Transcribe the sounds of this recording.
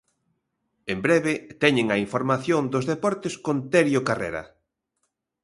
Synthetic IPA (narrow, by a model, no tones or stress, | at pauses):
embɾɛβɪt̪ɛɲeŋɐiɱfoɾmaθjond̪ozðepɔɾt̪ɪskont̪eɾjokarḛɾɐ̰